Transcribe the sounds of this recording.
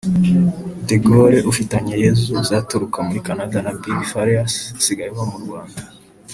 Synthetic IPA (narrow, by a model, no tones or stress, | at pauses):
deɡoɾeʔufitaɲejezuzaːtuɾukamuɾikanadanabɡifaɾeassiɡajiβamuɾɡwaːnda